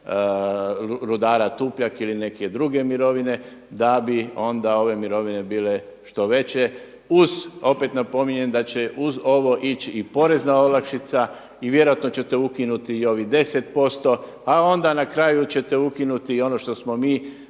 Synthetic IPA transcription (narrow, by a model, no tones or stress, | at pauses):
ɾud̪aːɾat̪uːpʎakiline̞ke̞d̪ɾuɡe̞miɾo̞ʋine̞ | d̪abio̞nd̪ao̞ʋe̞miɾo̞ʋine̞biːle̞ | ʃt̪o̞ʋe̞t͡ɕe̞ | uzo̞pe̞t̪napo̞miɲe̞nd̪at͡ɕe̞ʔuzo̞ʋo̞ʔit͡ɕiːpo̞ɾe̞znao̞lakʃit̪sa | iʋje̞ɾojat̪no̞t͡ɕe̞t̪e̞ukinut̪iːo̞ʋid̪e̞set̪po̞st̪o̞ | ao̞nd̪anakɾajut͡ɕe̞t̪e̞ukinut̪io̞no̞ʃt̪o̞smomiː